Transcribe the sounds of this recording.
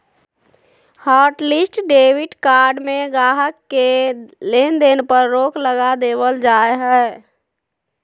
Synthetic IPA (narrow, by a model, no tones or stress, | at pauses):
haːʈlisʈɖewiʈkaːɾɖmeɡaːɦəkːelend̪enpəɾːoːkʰləɡad̪ebəld͡ʒaːeɦɛ